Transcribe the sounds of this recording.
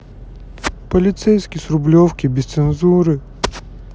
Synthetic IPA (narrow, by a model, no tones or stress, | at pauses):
pəlʲɪt̪sejskʲɪsɾʊblʲofkʲibʲɪst̪sɨnzuɾɨ